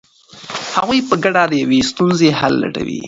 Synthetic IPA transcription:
haɣujpəɡaɖad̪əjawest̪unzehalːa̰ʈa̰wḭ

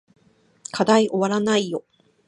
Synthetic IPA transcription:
kʰad̪aiʔo̞βaɾanaijo̞

